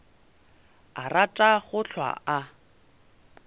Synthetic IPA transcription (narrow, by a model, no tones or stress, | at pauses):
aratʼaχʊɬʰwa̰ʔa